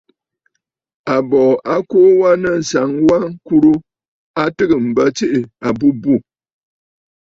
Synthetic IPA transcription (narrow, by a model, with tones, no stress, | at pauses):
a˨bɔː˨ʔa˦koː˦wa˦nə˦˨n̩˨sa˨˦ŋwa˦ŋ̩˦ku˦ɾu˦ | a˦tɨ˦ɣɨ˨m̩˨bə˦t͡ʃi˦ʔɪ˨a˨bu˦bu˦˨